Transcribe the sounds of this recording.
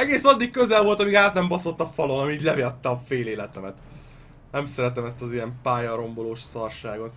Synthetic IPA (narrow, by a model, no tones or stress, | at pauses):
ɛɡeːsɒd̪ːikkø̞zɛlvo̞lt̪ɒmiːɡaːt̪nɛmbɒso̞t̪ːɒfɒlo̞nɒmiːɟlɛviɒt̪ːɒfeːleːlɛt̪ɛmɛt̪ | nɛmsɛɾɛt̪ɛmɛst̪ɒzijɛmpaːjɒɾo̞mbo̞loːʃsɒrʃaːɡo̞t̪